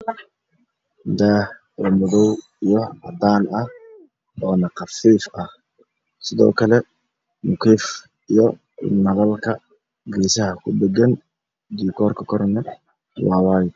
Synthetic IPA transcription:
d̪aː | lɐmʊðɔw | ijɔʕɑ̰d̪aːnɐh | ɔːnɐqɑfiːfɐh | sɪðɔ̰ːkʰɐlɛ | mʊkʰiːf | ijɔ | nɐɣɐlkʰɐ | ɡiʃɐɦɐkʰʊd̪ɛɡɐn | d̪iːkʰɔːrkʰɐkʰɔrnɐ | wɑːwɑːj

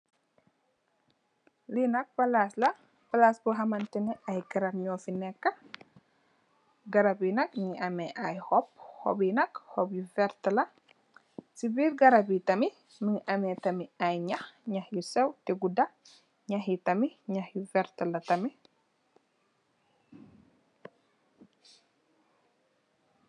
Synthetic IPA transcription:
linɐk̚pɐlaslɐ | pɐlasbɔɦɐmɐnt̪inɛɐjkɐɾɐbɲoːfinɛkːɐ | ɡɐɾɐbinɐkmiŋʔɐmɛʔajhɔp̚hɔ̰binɐkhoɔbjufɛɾt̪ɐlɐ | sibiɾɡɐɾɐbit̪ɐmi | miŋʔɐmɛtɐmiajɲɐhɲɐhjusɛwtiɡuda | ɲaɦitɐmiɲɐhjufɛɾt̪ɐlɐtɐmi

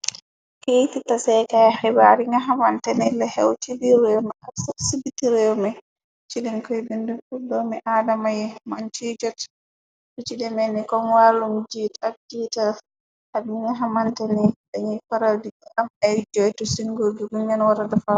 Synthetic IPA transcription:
kejtitasɛjkajhɛbaɾiŋɡaɦamantɛnɛlɛhɛwtibiɾɛwmɛʔasasibitiɾɛwmɛ | t͡ʃidɛnkɔjbindufudɔmɛʔaːdamajɛmant͡ʃid͡ʒɔt | dut͡ʃidɛmɛnikɔmwaːlumd͡ʒitad͡ʒital | hadiŋaɦamantɛnɛɗɛɲifaɾawdiɛʔamajd͡ʒɔjtɔsiŋɡod͡ʒuɡuɲanwaɾadafa

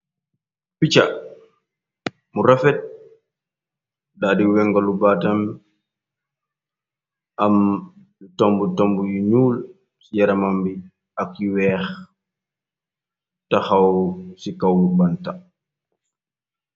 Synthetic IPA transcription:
pit͡ʃa | muɾafɛt̚ | daːdiwɛŋɡɔlubatɐm | ɐm | tɔmbutɔmbujiɲuːl | sjɐɾɐmambi | ɐkiwɛːx | tɐxawsikɐwlubanta

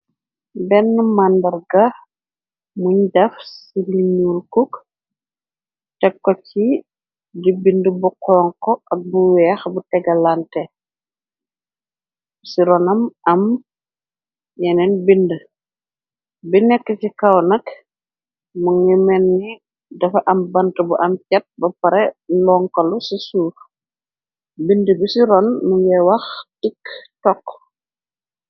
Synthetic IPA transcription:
bɛnːmandɐɾɡɐ | muɲdɐfsiliɲulkuk | tɛkːɔci | dibindəbukɔŋkɔɐk̚buwɛːxbutɛɡɐlantɛ | siɾɔnɐmɐm | jɛnɛnbində | binɛkːəsikɐwnɐk | muŋimɛnːi | dɐfɐʔɐmbɐntəbuʔɐmcɐt̚bɐpɐɾɛlɔŋkɐlusisuːɾ | bindəbisiɾɔnːuwɛwɐxtiktɔk

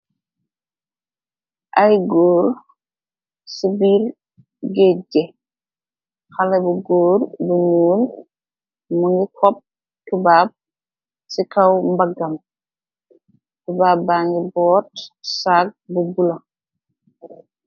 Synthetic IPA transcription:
ʔajɡoːɾ | sibiɾ | ɡeɟɛ | xalɛbuɡoːɾbuɲuːl | muŋɡikʰɔp̚ | tubaːb̚ | sikawmbaɡam | tubaːbaːŋɡibɔːtsaːk̚bubula

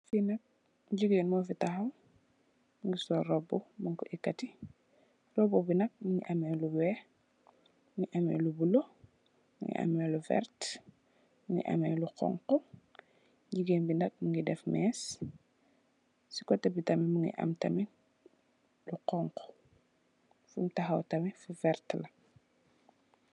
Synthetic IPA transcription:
finɐk̚ | ɟuɡeːnmɔfitaxɐw | ŋɡisɔrɔbɔbuŋkɔʔikːɐti | rɔbɔbinɐk̚muŋḭʔɐmɛːluwɛ | ŋɡiʔɐmɛ̰lubulo | muŋɡḭʔa̰mɛluvɛ̰ɾt | muŋɡḭʔɐ̰mɛːluqɔ̰ŋqɔ | ɟiɡeːnbinɐk̚muŋɡidɛfmɛːs | si̥kɔtɛbitɐmimuŋɡḭʔɐ̰mtɐmi | luqɔŋqɔ̥ | fumtɐxɐwtɐmifuvɛrtlɐ

